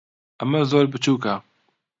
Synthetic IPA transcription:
ɐmɐzoːɾbɨt͡ʃʰuːka

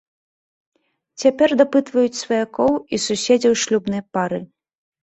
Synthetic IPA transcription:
t͡sʲapʲɛrd̪apɨt̪vɐjut͡sʲsvɐjakɔwisusʲed͡zʲɛwʂlʲubn̪ɨjpaɾɨ

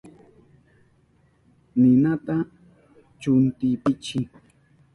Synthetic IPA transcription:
nɪnat̪a | t͡ʃʊnt̪ɪpɪt͡ʃɪ

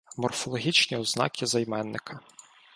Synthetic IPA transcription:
mɔrfɔlˠɔɦʲit͡ʃnʲiɔznɑ̰kʲʰizɐjmɛnːɪkʰɐ

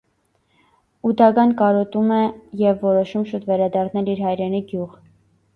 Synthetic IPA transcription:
ud̪ɑɡɑnkɑɾɔt̪umɛjɛvːɔɾɔʃumʃut̪vɛɾɑd̪ɑɾnɛliɾɦɑjɾɛniɡjuʁ

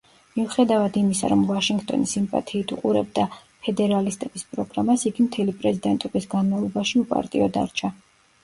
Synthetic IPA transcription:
miuχɛd̪avad̪imisa̰ɾɔmvaʃiŋɡt̪ʼɔ̰nisimpʼa̰t̪ʰiːt̪ʰuqʼuɾɛb̚d̪a | pʰɛd̪ɛɾalist̪ʼɛbispʼɾɔɡɾamasiɡimt̪ʰɛlipʼɾɛzid̪ɛnt̪ʼɔbisɡanmavlˠɔbaʃiupʼa̰ɾt̪ʼḭɔd̪a̰ɾt͡ʃʰa

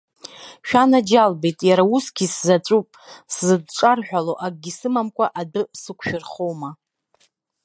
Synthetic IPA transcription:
ʃᶣanad͡ʒalbe̞jtʼjaɾausɡʲiszat͡sʷʼupʼszɨd̚ʈ͡ʂʼarħʷᶣaloʔak̚ʼɡʲisɨmamkʷʼaʔadɨsɨkʷʰʃᶣʊrχowma

